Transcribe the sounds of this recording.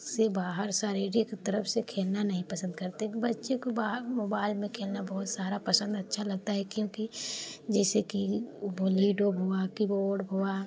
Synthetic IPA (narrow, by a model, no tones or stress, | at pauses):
sebaːɦəɾsaːɾeːɾikt̪əɾəfsekʰeːlnanɐɦĩpɐsə̃nd̪kɐɾt̪eɦbɐtːʃekobamoːbaːɪlmẽkʰeːlnabɔɦʊt̪saːɾapɐsə̃nd̪ɐtːʃʰalɐɡ̚t̪aɦɛkjõːkid͡ʒɛːsekiboliːɖobʱoakiboːɖɦoa